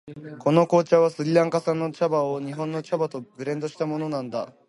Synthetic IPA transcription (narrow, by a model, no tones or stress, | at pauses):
kʰo̞no̞ko̞ːt͡ɕaβasɨɡʲiɾãŋkasãnːo̞t͡ɕabaoɲ̟iɦõ̞nːo̞t͡ɕabat̪o̞bɯ̟ɾẽ̞nd̪oɕi̥t̪amo̞no̞nãnd̪a